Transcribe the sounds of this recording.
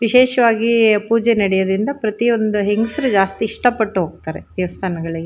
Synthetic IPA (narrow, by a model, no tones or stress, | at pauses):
ʋiʃeːʃɐʋaːɡipuːd͡ʒenɐɽɛjɐd̪ɾind̪ɐpɾɐt̪io̞nd̪uɦeŋɡusɐɾud͡ʒaːst̪iːʂʈɐpːɐʈːuɦoːɡ̚t̪aːɾed̪ɛʋɐst̪ʰaːnɐɡɐɭiɡe